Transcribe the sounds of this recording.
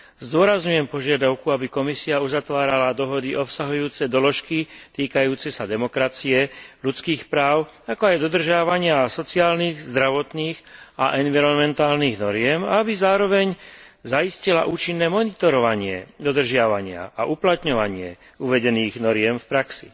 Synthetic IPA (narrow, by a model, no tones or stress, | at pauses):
zd̪ʊɔɾazɲujɛmpɔʒɪad̪aʊkuabikɔmisiauzat̪ʋaːɾalad̪ɔɦɔd̪iʔɔpsaɦujuːt͡sɛd̪ɔlɔʃkit̪iːkajuːt͡sɛsad̪ɛmɔkɾat͡siɛʎut͡skiːxpɾaːʊakɔajd̪ɔd̪r̩ʒɪaʋaɲɪasɔt͡siaːlniːɣzd̪ɾaʋɔt̪niːxaʔɛnʋiɾɔnmɛnt̪aːlniːɣnɔɾɪɛma̰abizaːɾɔʋɛɲzaiscila̰ʔuːt͡ʃinːɛːmɔnit̪ɔɾɔʋaɲɪɛ̰d̪ɔd̪r̩ʒɪaʋaɲɪa̰a̰ʔuplat̪ɲɔʋaɲɪɛ̰ | uʋɛɟɛniːɣnɔɾɪɛmfpɾaksḭ